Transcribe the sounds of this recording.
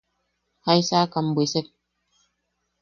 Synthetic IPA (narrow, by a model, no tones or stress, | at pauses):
hajsaːkambwesɛp̚